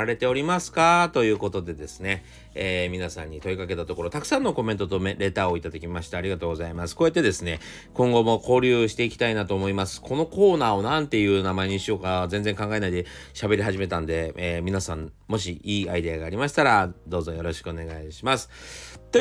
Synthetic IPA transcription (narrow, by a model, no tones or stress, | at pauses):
aɾe̞t̪e̞o̞ɾʲimasɨ̥kat̪o̞jɯ̟ːko̞t̪o̞d̪e̞d̪e̞sɨ̥ne̞ | eːmʲinasãɲ̟ːit̪o̞ikake̞t̪at̪oko̞ɾo̞t̪akɯ̟̥sãnːo̞ko̞mẽ̞nt̪o̞t̪o̞meɾe̞t̪aːo̞it̪ad̪akʲimaɕi̥t̪aːɾʲiɡat̪oːɡo̞zaimasɨ̥ko̞ːjet̪ːe̞d̪e̞sɨne̞ | kõŋɡo̞mo̞ko̞ːɾʲɯ̟ːɕi̥t̪e̞ikʲi̥t̪ainat̪o̞ːmo̞imasɨ̥kʰo̞no̞ko̞ːnaːo̞nãnt̪e̞jɯ̟ːnamae̞ɲ̟iɕio̞ːkazẽ̞nd͡zẽ̞ŋkãŋɡae̞naid̪e̞ | ɕabe̞ɾʲiɦaʑime̞t̪ãnd̪e̞ːmʲinasãm | mo̞ɕiiːaid̪e̞aɡaːɾʲimaɕi̥t̪aɾad̪o̞ːzo̞jo̞ɾo̞ɕi̥kɯ̟one̞ɡaiɕimasɨ̥t̪o